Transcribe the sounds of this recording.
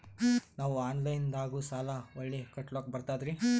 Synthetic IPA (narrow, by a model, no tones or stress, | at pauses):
naːʋuaːnlɐjnd̪aːɡusaːlɐʋɐɭːekɐʈloːk̚bɐɾt̪aːd̪ɾi